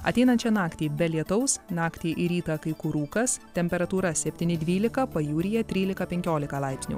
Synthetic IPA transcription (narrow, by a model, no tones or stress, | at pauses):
ɐ̰t̪ʲɛɪnɐnt͡ʃʲɛnɑːkt̪ʲiːbʲɛlʲiɛt̪ɐʊsnɑːkt̪ʲiːʔɪɾʲiːt̪ɑkɐɪkʊɾuːkɐst̪ʲɛmʲpʲɛɾɐt̪uːɾɐsʲɛpʲt̪ʲiːnʲɪd̪ʲʋʲiːlʲɪkɐpɐjuːɾʲɪjɛt̪ʲɾʲiːlʲɪkɐpʲɛŋʲkʲoːlʲɪkɐlˠɐɪpsʲnʲṵː